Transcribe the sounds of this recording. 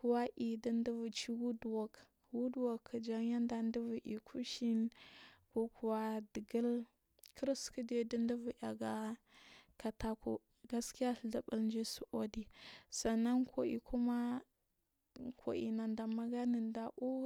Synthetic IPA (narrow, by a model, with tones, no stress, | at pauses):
ku˨wa˦ʔi˨di˦ndə˦vu˨t͡ʃi˦wu˦dwo˨k | wu˦dwa˨kʰːə˨d͡ʒa˦ŋ˦ja˦nda˨ndə˦vu˨ʔḭ˨kʰu˦ʃi˦nko˦ku˨wa˦də˨ɡə˦l | kʰə˦ɾskə˦de˨də˦ndə˦vu˨ʔa˨ɡa˦ | ka˨ta˦kṵ˨ | ɡa˦ski˦ja˦ɬɮa˨bə˦lnd͡ʒi˦su˨ʔo˦di˨sa˨na˦nkʰo̰˨ʔḭ˨kʰu˦ma˦ | kʰo̰˨ʔḭ˨na˨nda˨ma˦ɡa˦nə˨nda˨ʔu˦